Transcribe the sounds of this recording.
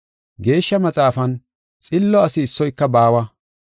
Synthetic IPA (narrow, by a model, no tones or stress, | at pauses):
ɡe̞ːʃːɐmɐt͡sʼaːfɐn | t͡sʼɪlːɔɐsɪːsːɔjkːɐbaːwɐ